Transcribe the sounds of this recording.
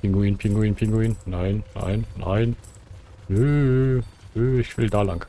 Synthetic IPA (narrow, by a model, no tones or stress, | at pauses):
pɪŋɡuiːnpʰɪŋɡʊiːnpʰɪŋɡuiːnnaɪnːa̰ɪnːa̰ɪn | nøː | nøːɪçv̥ɪldaːlaŋ